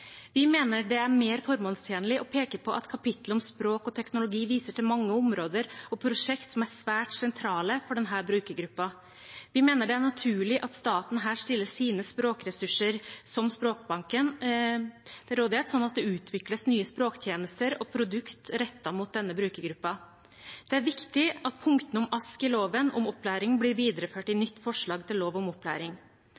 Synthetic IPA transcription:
ʋɪmeːnəɖɛæɾmeːɾfɔɾmoːlst̪ʰjeːnəlɪʔɔpʰeːkəpʰɔʔɑ̰t̪kʰɑpɪt̪ləɔmspɾoːkɔt̪ʰɛknʊlʊɡiːʋiːsəʈʰɪlmɑŋːəʊmɾoːd̪əɾɔpʰɾʊʂɛkt̪sɔmæɾsʋæːʈsɛnt̪ʰɾɑːləfɔɖɛnɦæːɾbɾʉːkəɾɡɾʉpːɑ | ʋɪmeːnəɖɛæɳɑt̪ʰʉːɭɪʔɑt̪st̪ɑːt̪n̩ɦæːʂʈ̪ɪlːəsiːnəspɾoːkɾɛsʉʂəɾsɔmspɾoːk̚bɑŋkən | d̪̥ɛɾoːd̪ɪheːt̪sɔnːɑt̪̚d̪ɛʉːt̪ʰʋɪkləsnyːəspɾoːkt̪ʰjeːnəst̪əɾɔpʰɾʊd̪ʉkt̪ɾɛt̪ːɑmuːt̪̚d̪ɛnːəbɾʉːkəɾɡɾʉpːɑ | d̪̥ɛæɾʋɪkt̪ɪʔɑt̪̚pʰʊŋkt̪ən̩ɔmʔɑskɪloːʋənɔ̰mɔpːlæːɾɪŋblɪɾʋiːd̪ɾəføːʈɪnʏt̪ːfɔʂɭɑːɡt̪ʰɪlːoːʋɔmɔpːlæ̰ːɾɪŋ

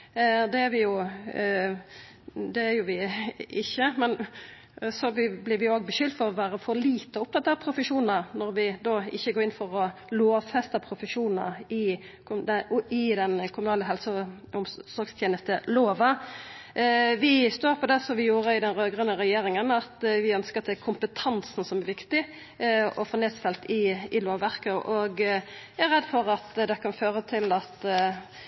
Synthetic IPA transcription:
d̪ɛæɾʋɪjʊ | d̪ɛæɾjʊʋɪɪçːəmɛn | sɔbɪblɪɾʋɪoːɡ̚bəʃʏld̪fɔʁɔʋæːɾəfɔɾliːt̪əɔʊp̚t̪ʰɑt̪ːɑːpʰɾʊfəʂuːnn̩ənɔɾʋɪd̪oːɪçːəɡoːɾɪnfɔɾɔloːʋfɛst̪əpʰɾʊfəʃuːnnə̰ɪ | kd̪ɪd̪ɛnkʰʊmʉnɑːləɦɛlsə | ʊmsɔɾɡst̪ʰjeːnəst̪əloːʋɑ | ʋɪst̪oːɾpʰɔd̪ɛsɔmʋɪjuːɾəɪd̪ɛnɾøːɡɾənəɾɛjeːɾɪŋənɑt̪ʋɪœnskəɾt̪ʰɪlkʰʊmpət̪ʰɑnsn̩sɔmæɾʋɪkt̪ɪ | ɔfɔɾneːd̪sfɛlt̪ɪɪloːʋːæʁkəʔɔɡ | æɾɛd̪ːfɔɾɑt̪d̪ɛkʰɑnføːɾət̪ʰɪlɑt̪

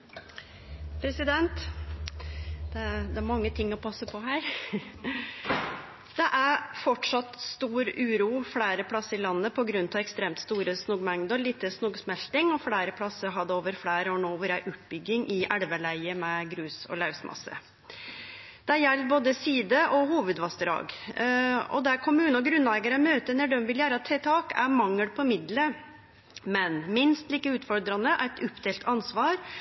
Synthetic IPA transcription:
pʰɾɛsɪd̪ɛnt̪ | d̪̥ɛd̪ɛæɾmɑŋːət̪ʰɪŋːɔpʰɑsːəpʰɔɦæːɾ | d̪̥ɛʔæɾfɔʈʂɑt̪st̪uːɾʉːɾuːfɽæːɾəpʰɽɑsəɾɪlɑnːəpʰɔɡɾʉnt̪ʰɑʋɛkst̪ɾeːmt̪st̪uːɾəsnuːɡmɛŋd̪əliːt̪əsnuːɡsmɛlt̪ɪŋɔfɽæːɾəpʰɽɑsːəɦɑd̪ɛoːʋəɾfɽæːɾəoːɳoːʋəɾæɾʔʉːt̪̚bʏɡːɪŋʔɪʔæɽʋəlæɪəmɛɡɾʉːsɔ̰lɑʉsmʔɑ̰sə̰ | d̪̥ɛɾjɛlːboːd̪əsiːd̪əʔɔhuːʋəd̪ʋɑst̪əɾɑ̰ːɡ | ɔ̰d̪ɛæɾkʰʊmʉːnɔɡɾʉnlæɪɡɑɾəmøːt̪ənɛɖɔmʋɪljæːɾɑt̪ʰːɛt̪ʰɑːkæ̰ɾmɑŋːəɽpʰɔmɪd̪lə | mɛnmɪnst̪liːkəʉːt̪fɔɾd̪ɾɑnəʔæɾɛt̪ʰʉpːd̪eːlt̪ʰɑnsʋɑːɾ

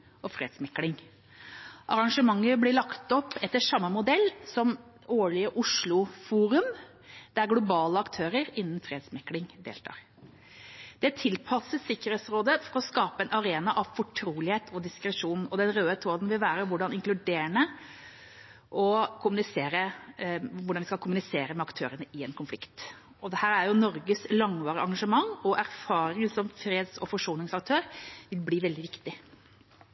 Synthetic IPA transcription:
ɔfɾḛːd̪smɛkːlɪŋ | ʔɑɾɑŋʂəmɑŋːəblɪɭɑkt̪ɔpːɛt̪ːəʂɑmːəmʊd̪ɛlːsɔm | oːɭɪəʔʊʂɭʊfuːɾʉm | d̪̥æɾɡlʊbɑːləɑkt̪ʰøːɾəɾɪnːn̩fɾeːd̪smɛkːlɪŋd̪ḛːlt̪ʰɑ̰ːɾ | d̪̥ɛt̪ʰɪlpʰɑsəsɪkːəɾheːt̪sɾoːd̪əfɔɾɔskɑːpəɛnɑɾeːnɑʔɑʋfɔʈʰɾuːlɪheːt̪ʰɔd̪ɪskɾɛʂuːnɔd̪ɛnɾøːət̪ʰoːd̪nʋɪlʋæːɾəʋʊɖɑnɪŋklʉd̪eːɾəɳə | ʔɔkʰʊmʉnɪseːɾə | ʋʊɖɑnʋɪskɑlkʰʊmʉnɪseːɾəmɛɑkt̪ʰøːɾənəʔɪɛːnkʰʊnflɪkt̪ | ɔd̪ɛhæːɾæɾjʊnɔɾɡəslɑŋʋɑːɾəɑŋɡɑʂəmɑŋɔʔæɾfɑːɾɪŋənsɔmfɾeːd̪sɔfɔʂuːnɪŋsɑk̚t̪ʰøːɾʋɪlbliːʋɛld̪ɪʋɪkt̪ɪ

